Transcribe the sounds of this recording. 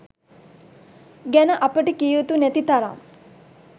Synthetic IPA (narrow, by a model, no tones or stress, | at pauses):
ɡænəʔɐpəʈikijut̪unæt̪it̪aɾa̰ŋ